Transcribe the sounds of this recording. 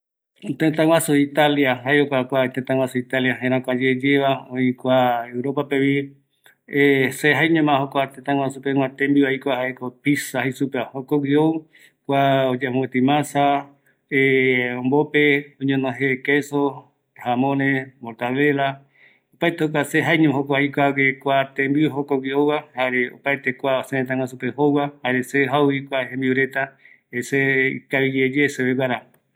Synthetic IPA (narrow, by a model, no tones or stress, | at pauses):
t̪et̪ãw̃ʷãsuit̪aljaɦaeokʷakʷat̪et̪ãŋwãsuit̪aljahẽɾãkʷad͡ʒed͡ʒeβaoikʷaewɾopapeβi | eseɦajɲõmãɦokʷat̪ẽt̪ãŋʷwãsupeŋʷwãt̪embiβaikʷahaekopisahisupehokowiow | kʷaod͡ʒemõwet̪imãsa | eõmbopeõɲõnõɦekeso | hamõnẽmoɾt̪aβela | opajt̪eok̬ʷaseɦaeɲõmɦokoajkʷakekʷat̪embiuɦokowiowwahaɾeo̰pajt̪ekʷaosenẽt̪ãŋwas̬upehowahaɾeseɦauikʷaɦẽmbiuɾet̪a | eseḭkaβid͡ʒed͡ʒeseβewaɾa